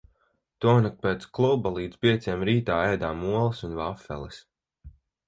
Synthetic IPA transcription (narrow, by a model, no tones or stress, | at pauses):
t̪uɔnak̚peːt̪sklˠubalˠiːd̪zpʲiɛt̪sʲeɛmɾiːt̪aːɛjd̪aːmuɔlˠisunvafɛ̰lˠɛs